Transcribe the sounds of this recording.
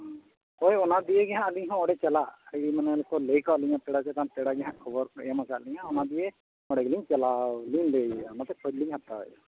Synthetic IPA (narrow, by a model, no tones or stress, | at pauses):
ɔjɔnad̪ijeɡɛɦãaliɲɦɔ̃ɔɽɛt͡ʃɛlaʔimanɛlkʰɔlejkɔʔliɲãp̪ɛɽat͡ʃɛt̪ãnp̪ɛɽaɡɛɦãkʰɔbɔɾɛmasaʔliɲãɔnad̪ije | ɔɽɛɡliɲt͡ʃɛlaliɲlejamat̪ɛkʰɔdliɲɦat̪aɔ̰j